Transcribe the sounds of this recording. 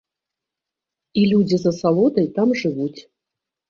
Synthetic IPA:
ilʲud͡zʲizɐsalˠod̪ɐjt̪amʐɨvut͡sʲ

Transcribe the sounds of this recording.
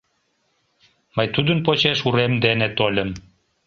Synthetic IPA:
mɑjt̪ud̪ə̆npot͡ɕeʃuɾemd̪enet̪olʲə̆m

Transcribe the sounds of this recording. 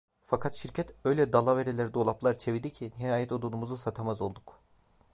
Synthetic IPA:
fakʰat̪ʃiɾcʰɛt̪ø̞jlʲɛd̪alˠave̞ɾelʲæɾid̪o̞lˠaplˠaɾt͡ʃʰe̞vid̪icʰinihaːjɛt̪od̪unumuzusat̪ʰamazo̞lˠd̪uk

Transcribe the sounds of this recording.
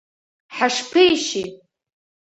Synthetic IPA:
ħaʂpʰejʃitʼ

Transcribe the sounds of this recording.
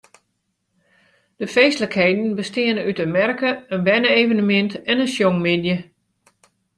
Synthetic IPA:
d̥əfeːstləkheːdn̩bəstɪənənytənmɛrkəənbɛnəeːvənəmɪntɛnənsjoŋmɪdjə

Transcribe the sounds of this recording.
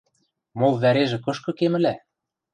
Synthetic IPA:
molˠβæɾeʒĕkɤ̆ʃkɤ̆kemɘ̆læ

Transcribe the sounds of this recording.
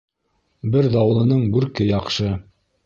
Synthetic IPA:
bɘɾðɑw̆lˠɤ̆nɤɴbʉɾkɘjɑqʃɤ

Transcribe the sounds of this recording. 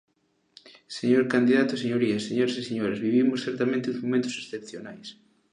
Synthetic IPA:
seɲoɾkand̪iðat̪oseɲoɾiaseɲoɾesiseɲoɾazβiβimʊsθɛɾt̪amẽnt̪ezmomẽnt̪osesθepθjonajs

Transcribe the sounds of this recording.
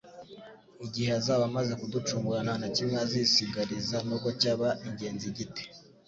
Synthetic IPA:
iɟiheazaβamaze̞kudut͡ʃuːmɡuɾananacimŋeazisiɡaɾizanukocaβaʔiɲɟe̞ːnziɟite̥

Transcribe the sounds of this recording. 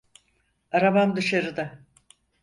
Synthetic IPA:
aɾabamd̪ɯʃaɾɯd̪a

